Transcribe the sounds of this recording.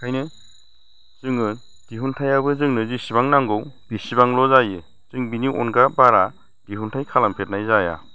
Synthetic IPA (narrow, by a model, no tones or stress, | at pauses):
kʰajnɯ | z̥ɯŋɯ | d̥iɦuntʰajabɯzɯŋnɯzisibaŋnaŋɡɯwb̥isibaŋlɔzajɯ | z̥ɯŋbiniʔɔ̰nɡabaɾa | ɡ̥iɦuntʰajkʰalampʰet̚najzaja̰